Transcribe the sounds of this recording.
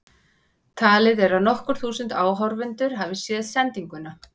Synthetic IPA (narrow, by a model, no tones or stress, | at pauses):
t̪ʰaːlɪðɛɾaðnɔhkʏɾ̥θuːsʏnt̪aːwɦawɾvɪnt̪ʏɾ̥ɦaːvɪsjɛːðsɛnt̪iŋkʏna